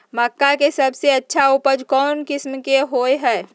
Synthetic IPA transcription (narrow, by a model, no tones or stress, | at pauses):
məkːakesɐbseɐtːʃʰaupəd͡ʒkɔːnkɪsmkeɦoːeɦɛː